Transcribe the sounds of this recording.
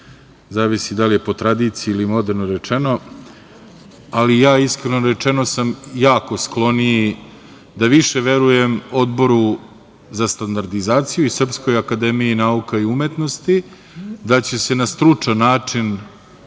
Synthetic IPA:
zaːʋisid̪alije̞po̞t̪ɾad̪iːt̪sijuilimo̞d̪eɾnoɾe̞t͡ʂe̞no̞ | alijaːiskɾenoɾe̞t͡ʂe̞no̞samjaːko̞sklˠo̞ni | d̪aʋiʃe̞ʋe̞ɾuje̞mo̞d̪bo̞ɾu | zast̪and̪aɾd̪izaːt̪sijuisr̩psko̞jakad̪e̞mijinaukaiumet̪no̞st̪i | d̪at͡ɕe̞se̞nast̪ɾut͡ʂanːaːt͡ʂin

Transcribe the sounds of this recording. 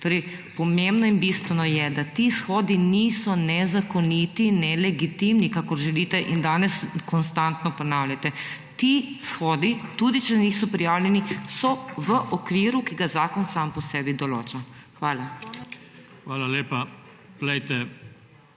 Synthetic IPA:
t̪oːɾɛjpɔmembnɔinbist̪ʋɛnɔjɛd̪at̪isxɔːd̪iniːsɔnɛzakɔnit̪inɛlɛɡit̪imnikakɔɾʒɛliːt̪ɛʔind̪aːnɛskɔnst̪ant̪nɔpɔnaːwlʲjat̪ɛ | t̪isxɔːd̪it̪uːd̪it͡ʃɛniːsɔpɾijaːwlʲjɛnisɔʋəʔɔkʋiːɾukiɡazaːkɔnsaːmpɔsɛːbid̪ɔlo̰ːt͡ʃaxʋaːla | xʋaːlaleːpa | plɛjt̪ɛ

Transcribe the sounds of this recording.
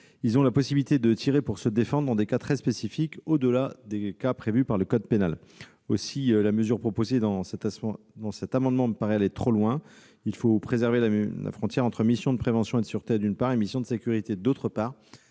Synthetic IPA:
ilzɔ̃lapɔsibilit̪ed̪ət̪ʰiʁepuʁsəd̪efɑ̃d̪ʁɑ̃d̪ekat̪χɛspesifikod̪əlad̪ekapχevypaʁləkɔd̪̚penal | o̰silaməzyʁpχopozed̪ɑ̃sɛt̪ | d̪ɑ̃sɛt̪amɑ̃d̪mɑ̃paʁealet̪χolwɛ̃ | ilfopχezɛʁvelala̰fχɔ̃t̪jɛʁɑ̃t̪χəmisjɔ̃d̪əpχevɑ̃sjɔ̃ed̪syʁt̪ed̪ynpaʁemisjɔ̃d̪əsekʲyʁit̪ed̪ot̪χəpaːʁ

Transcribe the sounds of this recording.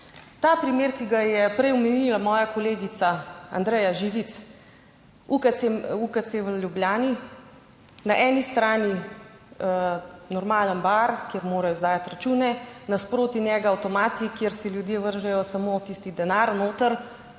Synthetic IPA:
t̪aːpɾimeːɾkiɡajɛpɾɛjɔmɛnilamɔːjakɔleːɡit̪saa̰nd̪ɾɛjaʒiʋit̪s | ukaeukat̪seʋəljubljaːni | naʔɛːnist̪ɾaːni | nɔɾmaːlənbaɾkjeɾmoːɾajɔzd̪aːjat̪ɾat͡ʃuːnɛnaspɾoːt̪injɛɡaːwt̪ɔmaːt̪ikjeɾsɛljud̪jeːʋəɾʒɛjɔsamoːt̪iːst̪id̪ɛnaːɾnoːt̪əɾ

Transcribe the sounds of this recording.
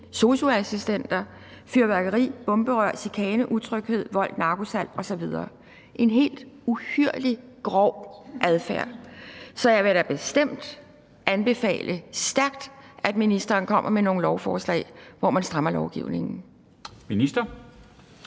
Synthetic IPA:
so̝soæsisd̥en̰d̥ɐ | fyɐʋæɡ̥ɐʁḭːb̥ɔ̽mb̥əʁɶɐ̰̥sikʰɛːnəʔut͡sʰʁœɡ̥he̝ð̞̰ˠʋɒ̽l̰d̥nɑ̈ːɡ̥o̝sæl̰ɒ̽sɒ̽ʋið̞ˠɐː | ʔe̝nɦe̝̰ːld̥uhyɐ̰liɡ̥ʁɒʊ̰ʔæðˠfæɐ̰sɒ̽jɑʋe̝ɾ̥æb̥e̝sd̥em̰d̥ | ʔænb̥e̝fɛ̰ːlʔəsd̥æɐɡ̥̚d̥ʔæd̥minisd̥ɐːnkʰɒ̽m̰ʔɐmeno̝ːŋ̩lɒʊfɒːslɛ̰ɪʋɒmænsd̥ʁɑ̈mɐlɒʊɡ̥ḭʊne̝ŋn̩ | minisd̥ɐ

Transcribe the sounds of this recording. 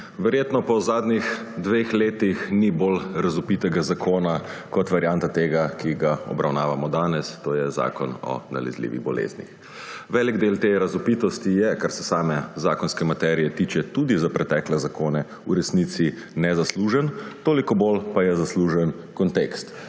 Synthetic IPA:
ʋɛɾjeːt̪nɔpɔzaːd̪nix | d̪ʋeːxleːt̪ixnibolɾazupit̪ɛɡazakʰoːnakɔt̪ʋaɾjant̪at̪eːɡakiɡaɔ̰bɾʔawnaːʋamɔd̪aːnɛst̪oːjɛza̰ːkɔnɔ̰na̰lɛ̰zlḭːʋḭɣbɔ̰lḛznḭx | ʋɛliɡd̪elt̪eɾazupit̪ɔst̪ijɛkaɾsɛ̥saːmɛzaːkɔnskɛmat̪ɛɾijɛt̪iːt͡ʃɛt̪uːd̪izapɾɛt̪ɛːklɛzakoːnɛ | uɾɛsnit̪si | nɛzasluːʒənt̪oːlikɔbolpajɛzasluːʒɛn | kɔnt̪ekst̪

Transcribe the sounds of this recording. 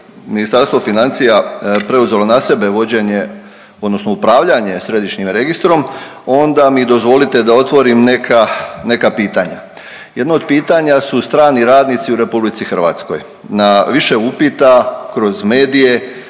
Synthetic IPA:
minist̪aɾst̪ʋo̞finant̪sijapɾe̞uze̞lo̞nase̞be̞ʋo̞d͡ʑe̞ɲe̞ | o̞d̪no̞snoupɾaːʋʎaɲe̞sɾe̞d̪iʃɲimɾe̞ɡist̪ɾo̞mo̞nd̪amid̪o̞zʋo̞lit̪e̞d̪ao̞t̪ʋo̞ɾimnekʰane̞kapiːt̪aɲa̰ | je̞d̪nood̪̚piːt̪aɲasust̪ɾaːniɾaːd̪nit̪siuɾe̞publit̪sixərɾʋa̰ːt̪sko̞̰j | naʋiʃe̞upit̪akɾo̞zme̞ːd̪ije̞

